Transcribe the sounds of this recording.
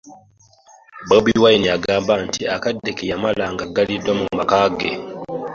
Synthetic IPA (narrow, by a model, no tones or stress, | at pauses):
bobiwajniaɡaːmbantiakadːekejamalaŋɡaɡalidwamumakaɡḛ